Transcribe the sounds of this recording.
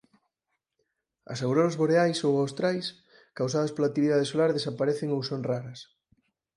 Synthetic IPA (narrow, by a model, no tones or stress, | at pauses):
ɐ̰sawɾoɾɐzβoɾeajsowawst̪ɾajs | kaws̬að̞ɐspolak̚t̪ːiβiðaðesolaɾðesapaɾɛθeŋowsonraɾɐs